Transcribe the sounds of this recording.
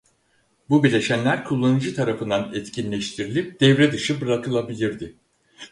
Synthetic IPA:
bubilʲeʃænlʲæɾkʰulˠːanɯd͡ʒɯt̪ʰaɾafɯnd̪anɛt̪cʰinlʲɛʃt̪ʰiɾilʲip̚d̪̥ɛvɾɛd̪ɯʃɯbɯɾakʰɯlˠabilʲiɾd̪ɪ

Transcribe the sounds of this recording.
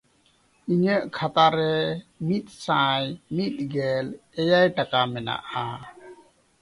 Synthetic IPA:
iɲəʔkʰat̪aɾɛmit̪̚ˀsãjmit̪̚ɡɛlɛjajʈakamɛna̰ʔa

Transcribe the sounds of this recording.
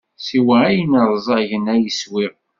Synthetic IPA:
siwææjənəɾˤzˤɑʝənæjəswɪʁ

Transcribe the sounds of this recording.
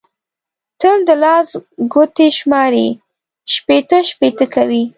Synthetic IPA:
t̪əld̪əlɑsɡot̪eʃmɑɾi | ʃpet̪əʃpet̪əkawi

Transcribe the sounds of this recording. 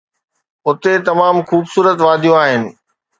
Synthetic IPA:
ʊt̪et̪ɐmaːmxuːbsuːɾət̪ʋaːd̪ʱijõaːɦɪnɪ̆

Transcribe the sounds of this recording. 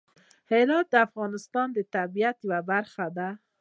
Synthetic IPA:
heɾɑt̪̚d̪əafɣɑnɪst̪ɑnd̪ət̪abijat̪wabaɾxad̪a

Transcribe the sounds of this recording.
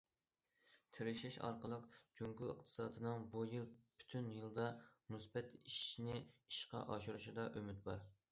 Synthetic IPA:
t̪ʰɪɾɪʃiʃɑ̰ɾqəlˠəqd͡ʒuŋkuɨ̰q̚t̪ʰɨ̥sɑːd̪ɨnɨŋbujɨlˠby̥t̪ʰynjɨlˠd̪ɑmusbɛt̪iʃnɪiʃqɑ̰ʔɑʃuɾuʃid̪ɑʔømyt̪̚bɑɾ

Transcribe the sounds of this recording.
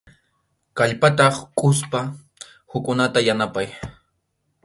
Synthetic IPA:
kaʎpat̪ɑχkʼʊspa | hʊkʼʊnat̪ajanapaj

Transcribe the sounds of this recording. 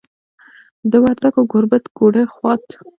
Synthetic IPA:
d̪əwaɾt̪aɡoɡʊɾbat̪ɡoɽəxwɑt̪

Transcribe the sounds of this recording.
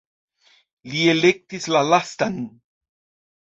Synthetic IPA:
lielek̚t̪islalast̪an

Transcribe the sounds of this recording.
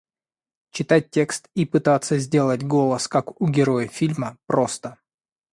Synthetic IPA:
t͡ɕɪt̪at̚ʲtʲːe̞kst̪ipɨt̪at̪sːəzʲdʲe̞lˠətʲɡo̞lˠəskakʊɡʲɪɾo̞jəfʲilʲməpɾo̞st̪ə

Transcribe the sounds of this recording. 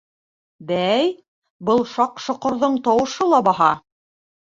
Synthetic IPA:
bæj | bɤlˠʃɑqʃŏqŏɾðɤɴt̪ɑwɤ̆ʃɤlˠɑbɑɦɑ

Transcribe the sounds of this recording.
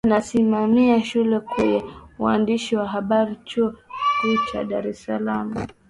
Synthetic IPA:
nasimamiaʃulɛkwɛɲɛwa̰ndiʃiwaɦaɓaɾit͡ʃuɔikut͡ʃa̰ɗaɾɛsalamu

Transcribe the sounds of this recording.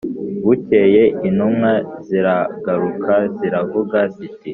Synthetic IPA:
wute̞je̞ʔinumŋaziɾaɡaɾukʰaziɾavuɡaziti

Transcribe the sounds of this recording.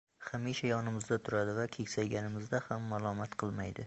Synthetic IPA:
χamiʃajɒnɪmɪzd̪at̪ʰʊɾad̪ɪvakʲʰe̞kʲsajɡʲanɪmɪzd̪ahamːalˠɒmat̪qʰɨlˠmajd̪ɪ

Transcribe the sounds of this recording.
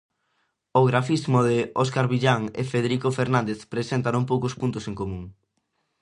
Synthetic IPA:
oɣɾafizmoðɪɔskaɾβiʎaŋḛfeðeɾikofeɾnãnd̪eθpɾesent̪anoŋpowkʊspunt̪ʊseŋkomũŋ

